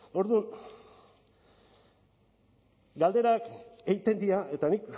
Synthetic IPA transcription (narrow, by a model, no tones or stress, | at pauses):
o̞ɾðun | ɡald̪e̞ɾake̞jt̪e̞nd̪iae̞t̪anik